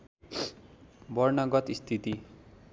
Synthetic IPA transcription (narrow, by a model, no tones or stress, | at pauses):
bʌrnʌɡʌt̪ist̪ʰit̪i